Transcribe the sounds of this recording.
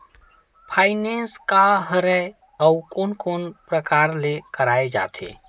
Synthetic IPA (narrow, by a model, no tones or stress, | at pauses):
pʰaɪnenskaɦəɾɛe | əukonkonpɾəkaɾlekəɾaed͡ʒa̰t̪ʰḛ